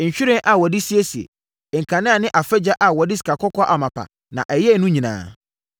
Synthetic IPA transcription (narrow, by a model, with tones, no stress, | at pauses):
ɲ̩˨ɕᶣʊ˦ɾɪ̃˦ʔa˨wɔ˨dɪ˦si˦e˦si˨ḛ˨ | ŋ̩˨kʰã˨nɪ̃˦a˨nɪ̃˦ʔa˨fɛ˦d͡ʑa˦ʔa˨wɔ˨dɪ˦si̥˨kʰa˨kʰɔ˦kɔ˦ʔa˨mã˨pʰa̰˨ | nã̰˨ʔɛ˨jɛ˦nũ˦ɲĩ˨nã̰ː˨